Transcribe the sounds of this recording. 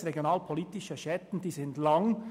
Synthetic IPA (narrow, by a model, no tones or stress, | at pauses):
ʁeɡjonaːlpʰoliːt̪ɪʃɐʃɛt̪n̩d̪iːsɪndlɑŋ